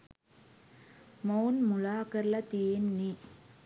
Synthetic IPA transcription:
mɐwnmʊɭaːkɐɾlɐt̪iːnːi

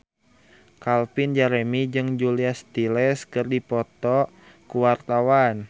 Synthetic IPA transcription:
kalpind͡ʒaɾɛmid͡ʒɨŋd͡ʒuliast̪ilɛskɨrdipɔt̪ɔ | kuwart̪awan

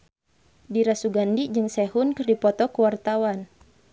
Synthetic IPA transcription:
diɾasuɡandid͡ʒɨŋsɛhunkɨrdipɔt̪ɔkuwart̪awan

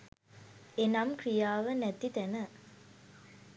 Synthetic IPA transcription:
enamkɾijaːʋənɛt̪it̪ɛnə

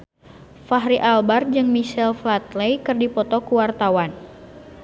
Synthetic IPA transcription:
faɦɾiʔalbard͡ʒɨŋmiʃɛlflat̪lejkɨrdipɔt̪ɔkuwart̪awan

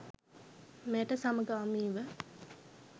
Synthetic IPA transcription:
meʈəsaməɡəamiːʋə

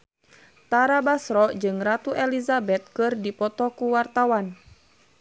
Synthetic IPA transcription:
t̪aɾabasɾɔd͡ʒɨŋrat̪uʔɛlizabɛt̪̚kɨrdipɔt̪ɔkuwart̪awan

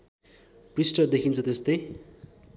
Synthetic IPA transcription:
prisʈʌd̪ekʰint͡sʰʌt̪est̪ʌj

